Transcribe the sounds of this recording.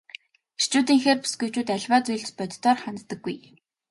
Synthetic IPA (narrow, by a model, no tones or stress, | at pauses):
irt͡ɕuːt̪iːŋxeːrpi̥sɡujt͡ɕuːt̪æɮʲwaːt͡sujɮt͡ɕpœt̪ʲʰt̪ɔːrχant̪t̪ə̆ɡːuj